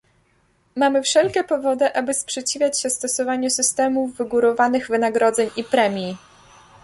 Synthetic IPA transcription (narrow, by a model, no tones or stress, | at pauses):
mamɘfʂɛlkʲɛpɔvɔd̪ɘʔabɘspʂɛt͡ɕivʲjat͡ɕɕɛst̪ɔsɔvaɲusɘst̪ɛmuvːɘɡuɾɔvanɘɣvɘnaɡɾɔd̪zɛɲipɾɛmʲji